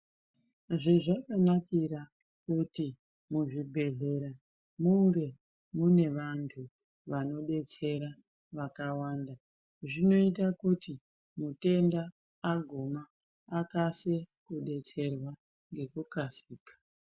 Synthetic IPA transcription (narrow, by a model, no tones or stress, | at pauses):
ʐeʐakanakiɾa | kuti | muʐibʱe̞ɮe̞ɾa | muŋɡe̞ | mune̞ʋantʰu | ʋano̞ɗe̞t͡se̞ɾa | ʋakawaːnda | ʐino̞it̬akuti | mute̞ndaː | ɡʱumaː | kasekuɗe̞t͡se̞rwa | ŋɡe̞kukasiːkḁ